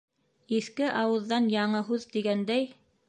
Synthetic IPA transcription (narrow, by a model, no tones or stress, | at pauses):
iθkɘʔɑwɤ̆ðːɑnjɑɴɤɦʉðt̪iɡænd̪æj